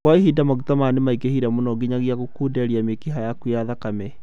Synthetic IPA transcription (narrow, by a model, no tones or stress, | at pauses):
waiɦidamaɣut̪amanemaikehiɾɛmonɔɡiɲaɣjaɣukuːndɛɾiamekiɦajakujaðakamɛ